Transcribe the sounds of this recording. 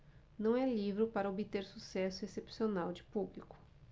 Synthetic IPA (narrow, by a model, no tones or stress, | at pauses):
nɐ̃w̃ɛlivɾʊpaɾɐobit̪eɾsusɛsʊesepsionawd͡ʒɪpublikʊ̥